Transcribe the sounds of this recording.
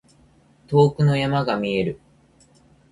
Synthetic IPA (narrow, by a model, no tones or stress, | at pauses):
t̪o̞ːkɯ̟no̞jamaɡamʲie̞ɾɯ̟